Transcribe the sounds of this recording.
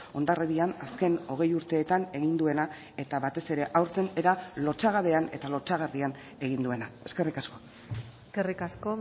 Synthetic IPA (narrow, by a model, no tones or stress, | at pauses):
o̞nd̪areðianaske̞no̞ɣ̞e̞juɾt̪e̞ːt̪ane̞ɣind̪ue̞na | e̞t̪aβat̪e̞se̞ɾe̞ʔawɾt̪e̞neɾalo̞t͡ʃaɣaβe̞ane̞̰t̪alo̞t͡ʃaɣarian | e̞ɣind̪ue̞nae̞ske̞rikasko̞ | skerikasko